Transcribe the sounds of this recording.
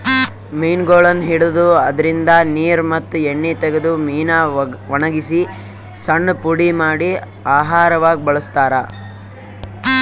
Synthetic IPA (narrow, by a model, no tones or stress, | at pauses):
meːnɡoːɭɐnɦiɽud̪uɐd̪ɐɾind̪ɐniːɾmɐt̪ːueɳːit̪ɛɡed̪umiːnaʋɐɳɐɡisi | sɐɳːpuɽimaːɽi | aːɦaːɾɐʋaːɡibɐɭɐst̪aːɾɐ